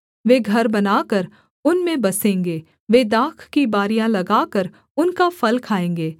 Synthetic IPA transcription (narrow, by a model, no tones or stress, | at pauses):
ʋeːɡʱɐɾbɐnaːkəɾ | ʊnmẽbɐsẽːŋɡeː | ʋeːd̪aːkʰkibaːɾijãlɐɡaːkəɾ | ʊnkafɐlkʰaːẽːŋ̆ɡeː